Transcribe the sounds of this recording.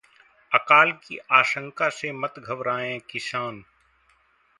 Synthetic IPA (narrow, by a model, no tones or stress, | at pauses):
ɐkaːlkḭʔaːʃə̃ŋkasemɐt̪ɡʱɐbɾaːẽkɪsaːn